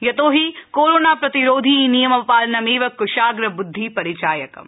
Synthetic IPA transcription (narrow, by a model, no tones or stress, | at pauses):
jɐt̪oːɦikoːɾoːnaːpɾɐt̪iɾoːd̪ʱinijɐmɐpaːlɐnɐmeːʋɐkːʊʃaːɡɾɐbʊd̪ʱːipɐɾit͡ʃaːjɐkɐ̰m